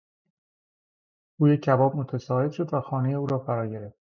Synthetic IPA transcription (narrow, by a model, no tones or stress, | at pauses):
ɡ̥uːjecʰːæbɒːb̚mot̪ʰæsɒːhe̞d̪ʃo̞d̪væxɒːne̞je̞uːɾɒːfæɾɒːɟe̞ɾeft̪